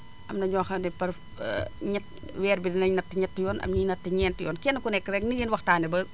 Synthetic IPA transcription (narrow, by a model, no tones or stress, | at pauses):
ʔɐmnɐɲɔːxɐdɛpɐr̰ | ɲɐt̚ | wɛːɾbidinɐɲnɐtːiɲɐtːijɔːnɐ̰mɲiɲnɐtːiɲɛːntijɔːnkɛnːɐkunɛkːəɾɛk̚niɡinwɐxtaːnɛbɐ